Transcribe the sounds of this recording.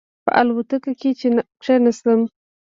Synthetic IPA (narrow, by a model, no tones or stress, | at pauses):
pə̰ʔalwut̪əkaket͡ʃen | ʈ͡ʂenasləm